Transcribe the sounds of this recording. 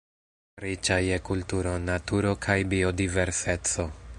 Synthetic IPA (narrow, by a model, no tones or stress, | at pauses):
ɾit͡ʃajekultuɾo̞natuɾo̞kʰajbio̞dive̞ɾse̞t͡so̞